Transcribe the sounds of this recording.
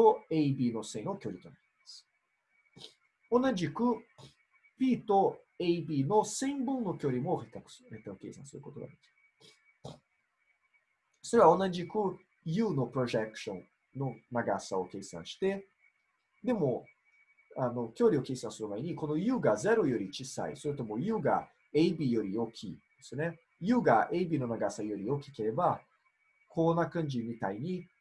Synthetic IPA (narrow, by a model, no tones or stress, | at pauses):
oejbinosẽjnokʲeoɾit̪onɛ | s | onɐ̃nd͡ʒiku | pit̪o | ejbinosẽj̃bũnokeoɾimoχek̪ɐkset̪ɐ̃kḛsã̰nsuɾkot̪uɾɐ̰ki̥ | seɾaonɐ̃nd͡ʒiku | junopɾoʒɛkʃõn | no̞naɡasao̞ke̞ːsã̰ɰ̃ɕi̥t̪e̞ | d̪e̞mo̞ | ano̞kʲo̞ːɾʲio̞ke̞ːsãsɨɾɯ̟maeɲ̟iko̞no̞jɯ̟ːɡaze̞ɾo̞jo̞ɾʲit͡ɕisa̰ḭso̞ɾɯ̟t̪o̞mo̞jɯ̟ːɡa̰ | eibʲijo̞ɾʲijo̞kʲʰid̪̥e̥sɨne̞ | jɯ̟ːɡaʔeibʲiːno̞naɡasajo̞ɾʲijo̞kʲi̥ke̞ɾe̞ba | kʰonakɯ̃ɲ̟d͡ʑimʲit̪aiɲ̟i